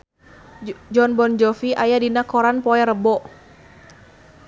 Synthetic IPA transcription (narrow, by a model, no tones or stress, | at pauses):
d͡ʒɔnbɔnd͡ʒɔfiʔajadinakɔɾanpɔɛɾəbɔʔ